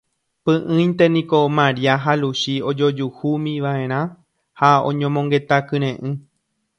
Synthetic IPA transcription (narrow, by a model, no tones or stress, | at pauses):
pɨ̃ʔɨ̃j̃nt̪e̞nĩkomãɾiaɦaluʃio̞d͡ʒo̞d͡ʒuhumĩʋaẽ̞ɾ̃ã | haõ̞̰ɲõmõŋɡe̞t̪akɨ̃ɾ̃ẽʔɨ̃